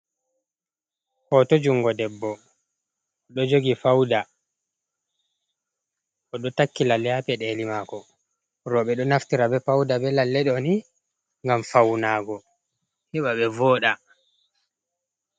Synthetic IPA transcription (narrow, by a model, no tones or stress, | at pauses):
hɔtɔd͡ʒuŋɡɔdɛbːɔ | ɗɔd͡ʒoɡifawda | ʔɔɗɔtakːilalːɛjapɛɗelimaːkɔ | ɾɔɓɛɗɔnaftiɾabɛfawdabɛlalːɛɗɔni | ŋɡamfawnaːɡɔ | hɛɓaɓɛvɔːɗa